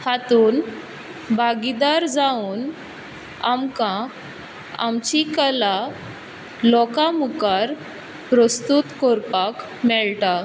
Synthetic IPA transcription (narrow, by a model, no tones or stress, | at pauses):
hat̪uːn | bʱaɡid̪aɾd͡zauːn | amkã | a̰mt͡ɕikəla | lɔkamukaɾ | pɾəst̪ut̪koɾpak | mɛɭta